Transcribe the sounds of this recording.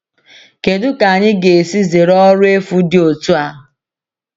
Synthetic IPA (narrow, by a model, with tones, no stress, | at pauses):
ke˨dʊ˦ka˨ɲɪ˦ɡe˨e˨si˦ze˨ɾɔ˦ɾʊ˦e˦fu˦dɪ˦o˨tu˦a˦